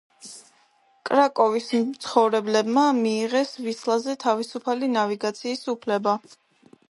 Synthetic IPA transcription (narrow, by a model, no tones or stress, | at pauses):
kʼɾakʼɔvist̪sʰχɔvɾɛblɛbmamiːʁɛsvislˠazɛt̪ʰavisupʰalinaviɡat̪sʰiːsupʰlɛba